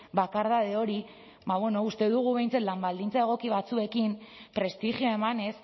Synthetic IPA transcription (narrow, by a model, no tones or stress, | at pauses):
bakaɾðað̞eo̞ɾi | baβweno̞ust̪e̞ðuɣ̞uβe̞jnt͡sat̪lambald̪int͡sae̞ɣ̞o̞kiβ̞at͡sue̞kimpɾe̞st̪iʝioe̞mane̞s